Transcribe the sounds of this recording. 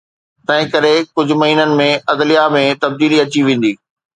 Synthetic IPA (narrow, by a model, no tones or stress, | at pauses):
t̪ɐ̃ɦɪ̃kɐɾekʊd͡ʑʱʊ̆mɐɦiːnənɪ̆mẽɐd̪lijamẽt̪ɐb̚d̪iːliɐt͡ɕiʋẽːn̆d̪iː